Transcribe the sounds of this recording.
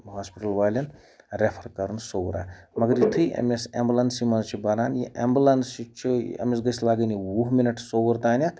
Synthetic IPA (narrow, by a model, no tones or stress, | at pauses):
ɦaːspiʈɐlʋaːlʲɐn | ɾepʰɐɾkɐɾunsowɾa̰ːmɐɡɐɾjit̪ʰɨjʔḛmesḛmbulɐnsimɐnt͡ʃʰibɐɾaːnjḭʔḛmbulɐnsit͡ʃʰiḛmesɡɐslaːɡəniwuɦminɐʈʰsowɐɾt̪aːnʲɐt̪